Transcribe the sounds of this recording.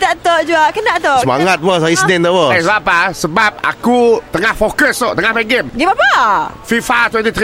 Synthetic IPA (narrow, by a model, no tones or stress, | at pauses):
t̪aʔt̪oʔd͡ʒuaʔkənd̪aʔt̪oʔsma̰ŋŋat̪̚bəsaisənɪnəwəasəbapasəbap̚a̰kut̪əŋahfokəst̪ɔʔt̪əŋahbɛɡemɡibapafifat̪ʰwɛ̃nt̪it̪ʰɾi